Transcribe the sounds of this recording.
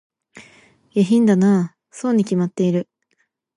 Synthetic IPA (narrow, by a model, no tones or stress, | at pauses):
jaçĩnd̪anaː | soːɲ̟ikʲimat̪ːe̞iɾɯ̟